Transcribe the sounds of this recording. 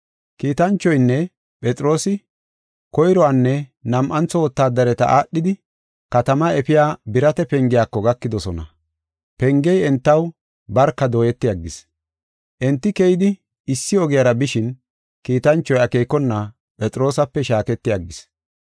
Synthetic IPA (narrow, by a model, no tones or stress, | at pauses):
kiːt̪ɐnt͡ʃːɔjnːɛ | pʼɛt͡sʼɪɾo̞ːsɪ | kɔjɾɔwanːɛnɐmʔɐnt͡sːɔwɔt̪ːaːd̪ɐɾɛt̪ɐ̰ʔaːɗːɪd̪ɪ | kɐt̪ɐmɐɛfɪjaːbɪɾɐt̪ɛpɛŋɡɪjaːkːɔɡɐkːɪd̪ɔsɔnɐ̰ | pɛŋɡɛjɛnt̪ːɐw | bɐɾkːɐd̪oːjɛt̪ːɪjɐɡːɪs | ʔɛnt̪ːɪkɛjɪd̪ɪ | ɪsːɪɔɡɪjɐɾɐbɪʃɪn | kiːt̪ɐnt͡ʃːɔjɐkeːkːɔnːɐ | pʼɛt͡sʼɾo̞ːsɐpːɛʃaːkɛt̪ːɪjɐɡːɪs